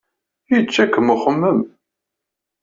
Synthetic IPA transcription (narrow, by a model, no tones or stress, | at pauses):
jət͡ʃːækːəmʊχəmːəm